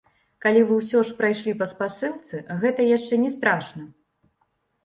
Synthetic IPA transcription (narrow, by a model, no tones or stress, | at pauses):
kalʲivɨws̬ʲɔʂpɾajʂlʲipɐspasɨlˠt̪sɨɣɛt̪ɐjaʂt͡ʂɛnʲɛst̪ɾaʂnɐ